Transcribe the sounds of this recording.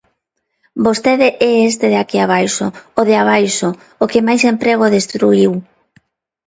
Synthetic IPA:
bost̪eðɪʔɛes̬t̪eðeakiaβ̞ajsooðɪaβ̞ajso | okemajsempɾeɣ̞oðest̪ɾuiw

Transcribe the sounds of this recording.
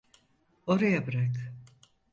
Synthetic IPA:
o̞ɾajabɯɾak

